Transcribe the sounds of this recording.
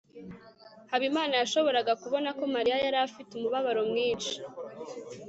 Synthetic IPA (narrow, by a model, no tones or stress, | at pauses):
haβimaːnajaʃo̞βo̞ɾaɡakuβo̞nako̞maɾijajaɾafitumuβaβaɾo̞mŋiːnʃi̥